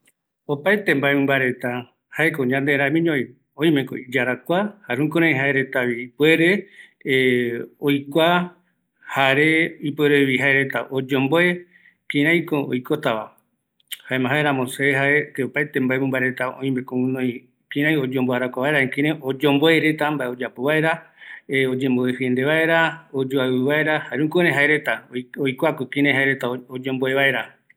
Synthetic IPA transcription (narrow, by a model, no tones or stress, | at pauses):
opajt̪embaemɨ̃mbaɾe̞t̪a | haekoɲãnd̪eɾãmĩɲõ | õĩmẽko̰id͡ʒaɾakʷahaɾũkoɾ̃ãj̃ɦaeɾe̞t̪aβiipue̞ɾe̞ | ojkʷa | haɾe̞ipweɾeβiɦaeɾe̞t̪aʔod͡ʒõmboe | kĩɾãj̃koojkot̪aʋa | haemãɦaeɾamoseɦaet̪eopaet̪embaemũmbaeɾe̞t̪aõ̰ĩbekoũnõj̃ | kĩɾ̃ãj̃od͡ʒomboaɾakʷaβaeɾaekĩɾẽod͡ʒõmboeɾet̪ambaeod͡ʒapoβae̞ɾaeod͡ʒẽmboehɨend̪eβae̞ɾaod͡ʒoaβɨβae̞ɾahaɾeũkuɾẽɦaeɾe̞t̪aojkʷakokĩɾãj̃ɦaeɾe̞t̪aood͡ʒõmboeβae̞ɾa